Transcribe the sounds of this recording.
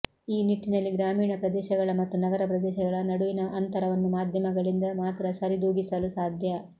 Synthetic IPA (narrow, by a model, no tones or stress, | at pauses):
iːniʈːinɐlːiɡɾaːmiːɳɐpɾɐd̪ɛːʃɐɡɐɭɐmɐt̪ːunɐɡɐɾɐpɾɐd̪ɛːʃɐɡɐɭɐnɐɽuʋinɐʔɐnt̪ɐɾɐʋɐnːumaːd̪ʱjɐmɐɡɐɭind̪ɐmaːt̪ɾɐsɐɾid̪uːɡisɐlusaːd̪ʱjɐ